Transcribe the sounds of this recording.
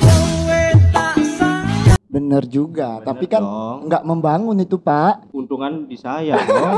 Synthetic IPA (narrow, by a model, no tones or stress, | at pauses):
bənərd͡ʒuɡat̪apikanŋɡaʔməmbaŋʊnit̪upaʔunt̪uŋandisaja